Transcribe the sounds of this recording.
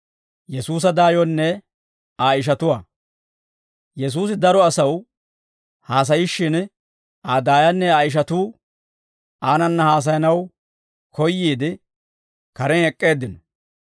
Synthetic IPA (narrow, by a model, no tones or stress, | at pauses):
jɛsuːs̬ɐd̪aːjɔnːɛ | aːɪʃ̬ɐt̪ʊwaː | jɛs̬uːs̬ɪd̪ɐɾɔɐsɐw | haːs̬ɐjɪʃːɪn | ʔaːd̪aːjɐnːɛaːjɪʃ̬ɐt̪uː | aːnɐnːɐhaːs̬ɐjɐnɐw | kɔjːiːd̪ɪ | kɐɾɛnɛkʼːe̞ːd̪ːɪnɔ